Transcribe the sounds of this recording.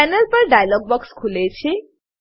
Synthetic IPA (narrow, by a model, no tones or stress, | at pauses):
ɛnəlpəɾɖajlɔɡ̚bɔkskʰulet͡ɕʰi